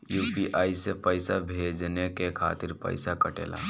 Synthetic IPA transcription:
juːpiʔaːisepəɪsabʱed͡ʒnekekʰa̰t̪iɾpə̰ɪsakəʈḛːla̰

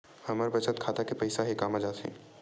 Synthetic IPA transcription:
hɐmaːɾbɐt͡ʃənt̪̚kʰaːt̪akepɐɪsaɦikaːmad͡ʒaːt̪ɛ̰̃ː

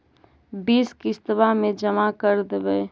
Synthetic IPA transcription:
biːskɪst̪bamẽd͡ʒəmakəɾd̪ebɛː

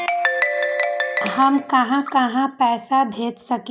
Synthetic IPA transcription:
ɦɐmkɐɦãkɐɦãpɛːsab̪ʱeːt͡ʃsɐk

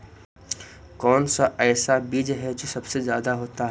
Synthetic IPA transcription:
kɔːnsaʔɛːsabiːd͡ʒɦɛd͡ʒisɐbsezjaːd̪aɦoːt̪aɦɛ

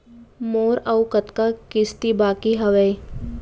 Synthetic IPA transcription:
moːɾɐwkət̪kakɪst̪ibaːkiɦɐʋəj

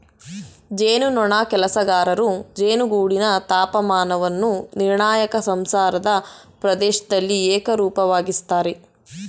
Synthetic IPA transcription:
d͡ʒeːnunɔɳaːkɛlɐsɐɡaːɾɐɾud͡ʒeːnuɡuːɽinɐt̪aːpɐmaːnɐʋɐnːuniɾɳaːjɐkɐsɐmsaːɾɐd̪ɐ | pɾɐd̪ɛːʃɐd̪ɐlːiɛːkɐɾuːpɐʋaːɡist̪aːɾe

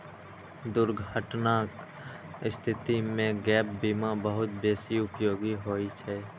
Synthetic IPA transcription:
d̪ʊɾɡʱəʈnaːk | ɪst̪ʰɪt̪imẽɡɛːp̚bimabəɦʊt̪beːsiʊpjoːɡiɦoːit͡ʃʰɛː

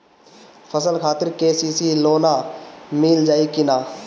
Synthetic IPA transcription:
pʰəsəlkʰaːt̪ɪɾkeːsiːsiloːnamɪːld͡ʒaːikɪnaː

